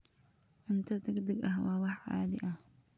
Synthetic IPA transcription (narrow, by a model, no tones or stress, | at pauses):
ħɪmt̪ʰɐd̪ɐɡd̪ɐɡɐɦwɑːwɑħʕɑ̰ːðɪ̰ʔɐh